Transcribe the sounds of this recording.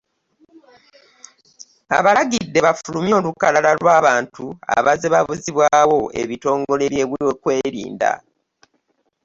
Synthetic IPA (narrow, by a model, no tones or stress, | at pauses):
a̰βalaɡidːe̞βafulumjo̞ːlukalalalwaːβaːntua̰βazeβaβuziβwaːwo̞e̞̰βito̞ːŋɡo̞le̞βje̞βuiwekwe̞ːɾḭːnda̰